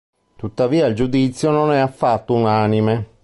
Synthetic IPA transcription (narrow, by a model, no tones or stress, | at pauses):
t̪ut̪ːaviːaild͡ʒud̪it̪sːjononɛafːat̪ːounaːnime